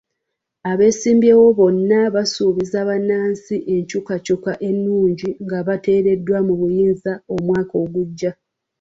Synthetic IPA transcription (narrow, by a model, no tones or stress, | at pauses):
aβe̞ːsiːmbjewo̞βo̞nːaβasuːβizaβanaːnsiʔe̞ɲcukacokaʔe̞nːuːɲɟiŋɡaβate̞ːɾe̞dːwamuβujiːnzaomwaːko̞ːɡuɟːa